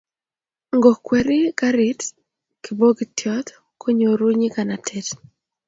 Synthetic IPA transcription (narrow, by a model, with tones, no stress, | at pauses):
ŋɡo˨kwe˨ɾɪ˦ɡa˦ɾɪ˨˦t | ki˨bo˦ɡi˨tjɔ˦t̪ | kʰo˦ɲo˨ɾu˦ɲi˦ka˨na˨tʰet